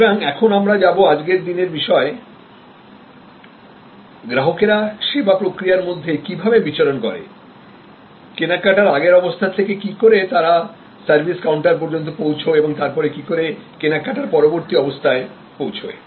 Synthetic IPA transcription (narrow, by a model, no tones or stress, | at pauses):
ɾaŋɛkʰonamɾad͡ʑaboad͡ʑɡeɾd̪ineɾbiʃɔe | ɡɾaɦokeɾaʃebapɾokɾijaɾmod̪ʱːekibʱabebit͡ɕaɾonkɔɾḛ | kenakaʈaɾaɡeɾɔbost̪ʰat̪ʰekekikoɾet̪aɾa | saɾbʱiskawɳʈaɾp̬ɔɾd͡ʑont̪̬opowt͡ɕʰoeboŋt̪aɾpɔɾekikoɾekenakːaʈaɾpɔɾoboɾt̪iɔbost̪ʰae | powt͡ɕʰo̰